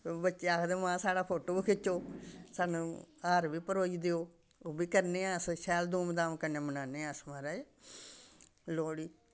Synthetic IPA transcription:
bətːt͡ʃʃeaːkʰd̪eːmãːsaːɽaːpʰoːʈoːbkʰɪt͡ʃːoːsaːnũːaːɾbiːpəɾoːiːd̪eoː | oːbiːkəɾneːasʃɛːld̪uːmd̪aːmkəneːmənaːneːaːsmaɾaːe | loːɽiː

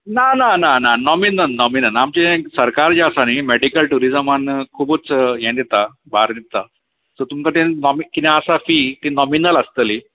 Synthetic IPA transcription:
nananananɔminənːɔminənamt͡ɕẽsəɾkaɾd͡ʑasanimɛɽikəlʈuɾizəmankʰubət͡sjẽnd̪et̪a | baɾd̪it̪a | t̪ɔɾt̪umkat̪ẽnɔmikit̪aasafit̪inɔminələst̪əli

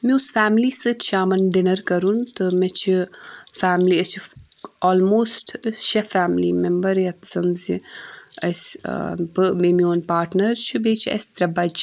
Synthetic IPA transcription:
miusfaːmliːsɨt͡ʃʰaːmɐnɖɪnɐɾkɐɾunt̪ɨmet͡ʃʰifaːmliːɐt͡ʃʰioːlmoːsʈʰʃɐfaːmlḭmembɐɾjɐt̪sɐnziɐ̰sbɨmemioːnpaːɾʈnɐɾt͡ʃʰibeːt͡ʃʰɐ̰sʲt̪ɾɐbɐd͡ʒ

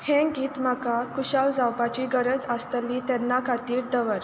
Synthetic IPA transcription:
hɛ̃ɡiːt̪m̤akakuɕald͡zawpat͡ɕiːɡəɾəd͡zəst̪əliːt̪ɛnːakʰat̪iːɾd̪əʋəɾ

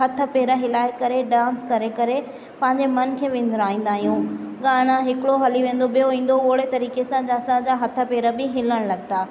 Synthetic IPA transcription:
ɦɐt̪ʰə̆peːɾəɦɪlaːɪkɐɾeɖãːnskɐɾekɐɾe | pɐ̃ɦɪ̃ɲd͡ʑemɐn̆kʰeːʋẽːnd̪ɾaːɦĩːn̆d̪aːɦijũːɠaːɽ̃ãɦɪkɽoɦɐliʋẽːn̆d̪oɓijoʋĩːn̆d̪ooːɽet̪ɐɾiːkesãd͡ʑaːsãd͡ʑaɦɐt̪ʰə̆peːɾəbɪɦɪləɽ̃lɐɡt̪aː

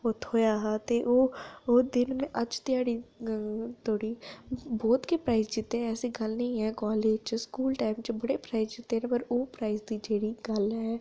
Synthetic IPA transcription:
ʊt̪ʰːoːjaːɦat̪eːʔoːod̪ɪnmẽːʔəd͡ʒt̪ɪjaːɽiː | t̪oːɽiːbɔːt̪keːpɾaːizd͡ʒɪt̪ːeɛːsiːɡəlnə̃ĩːɦɛːkɔːleːd͡ʒt͡ʃskuːlʈaːɪmt͡ʃbəɽeːpɾaːizd͡ʒɪt̪ːeːnẽpəɾoːpɾaːizd̪iːd͡ʒeːɽiːɡəlɦɛː

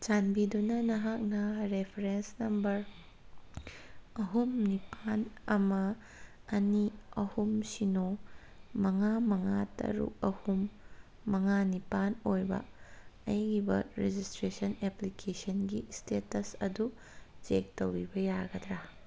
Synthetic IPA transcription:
d͡ʒanbidunɐnɐɦak̚nɐɾepʰeɾensnɐmbɐɾ | ɐɦumnipanɐmɐ | ɐniɐhumsino | mɐŋamɐŋatɐ̰ɾṵkɐhumː | ɐŋanipanojbɐ̰ɐjɡibɐ̰ɾed͡ʒistɾesɐneplikʰesɐnɡistetɐsɐdu | d͡ʒek̚tɐwɾibɐjaɡɐdɾa

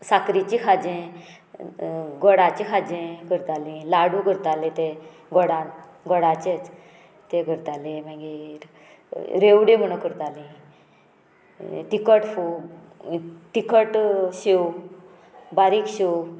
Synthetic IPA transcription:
sakɾit͡ɕĩkʰad͡ʑẽ | ɡɔɽat͡ɕĩkʰad͡ʑẽkəɾt̪alĩlaɽũɡʱəɾt̪alet̪e | ɡɔɽã | ɡɔɽat͡ɕet͡s | t̪ẽɡʱəɾt̪alẽmãɡiɾ | ɾeʋɽẽm̤əɽ̃okəɾt̪alĩ | t̪ikəʈfu | t̪ikəʈɕew | baɾikɕew

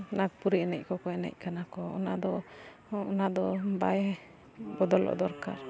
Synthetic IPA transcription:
nak̚puɾiɛnɛc̚kɔkɔɛnɛ̰c̚kanakɔɔ̰nad̪ɔ | ɔnad̪ɔbaj | bɔd̪ɔlɔ̰d̪ɔɾkaɾ

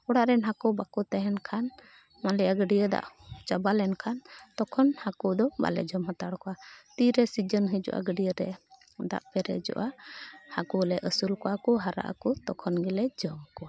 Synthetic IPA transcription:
ɔɽaʔɾɛnɦakɔbakut̪ɛɦɛnkʰan | malɛjaɡəɖijəd̪a̰ʔt͡ʃabalɛnkʰant̪ɔkʰɔnhakud̪ɔba̰lɛ̰d͡ʒɔmɦat̪aɽkɔat̪iɾɛsid͡ʒənɦəd͡ʒɔ̰ʔa̰ɡəɖijəɾɛ̰ | d̪a̰ʔpɛɾɛ̰d͡ʒɔ̰ʔahakulɛʔəsulkɔakɔɦaɾa̰ʔa̰kut̪ɔkʰɔnɡilɛd͡ʒɔmkɔa

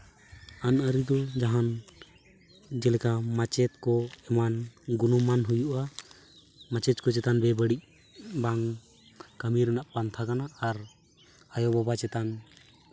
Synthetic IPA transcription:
anəɾid̪ɔd͡ʒaɦan | d͡ʒɛlɛkamat͡ʃɛt̪̚kɔɛmanɡunɔmanɦujuʔa | mat͡ʃɛt͡ʃkɔt͡ʃɛt̪anbɛbəɽic̚ | baŋ | kəmiɾɛnaʔpant̪ʰakanaaɾ | ajɔbɔbat͡ʃɛt̪an

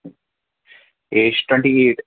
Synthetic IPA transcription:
eːt͡ʃʈʰwẽɳʈieːʈ

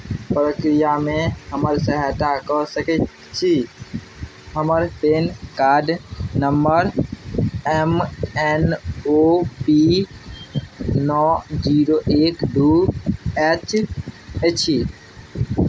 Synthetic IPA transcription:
pəɾəkɾijamẽɦəməɾsəɦɛt̪akɔsəkɛ | t͡ʃʰi | ɦəməɾpeːnkaːɖnəmbəɾ | ɛmɛnopi | nɔd͡ʒiɾoʔeːkɖu | ɛt͡ʃ | et͡ʃʰi

